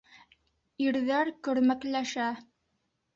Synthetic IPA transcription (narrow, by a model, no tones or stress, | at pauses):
iɾðæɾkɵ̆ɾmæklæʃæ